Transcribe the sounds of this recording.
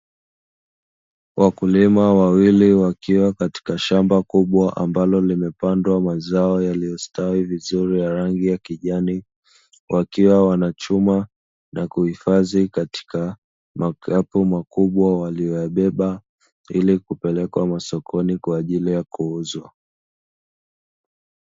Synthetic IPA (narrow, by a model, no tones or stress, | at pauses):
wʔakulimawawiliwakiwakati̥kaʃambakuɓwaʔambalɔlimɛpandwamazaɔjalijɔstawivizuɾijaɾaŋɡijakiʄani | wʔakiwawanat͡ʃuma | nakuhifazikati̥ka | makʰapumakuɓwawalijɔjaɓɛɓa | ilikupɛlɛkwamasɔkʰɔnikwaːʄilijakuuzwa